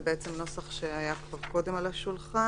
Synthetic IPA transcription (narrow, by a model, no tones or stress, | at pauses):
beet͡semno̞saχʃeajakvaʁko̞de̞malaʃulχa